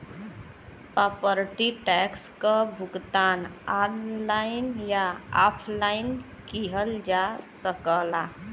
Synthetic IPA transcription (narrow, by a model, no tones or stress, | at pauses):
pɾapəɾʈiʈɛkskəbʱuɡt̪ananlaɪnjaapʰlaɪn | kiɦəld͡ʒasəkəla